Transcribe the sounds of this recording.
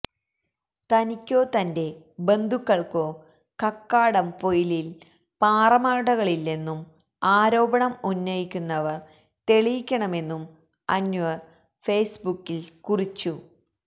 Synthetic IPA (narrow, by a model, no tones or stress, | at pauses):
t̪ɐnikʲːo̞ːt̪ɐnde̞ | be̞nd̪ʱukːɐɭko̞ː | kɐkːaːɽɐmpo̞jilil | paːrɐmaːɽɐɣɐɭilːenːum | aːɾo̞ːbɐɳɐmunːɐjikʲːunːɐʋɐr | t̪e̞ɭijikʲːɐɳɐme̞nːum | ɐ̰nːuɐ | feːsbukːilkurit͡ɕːu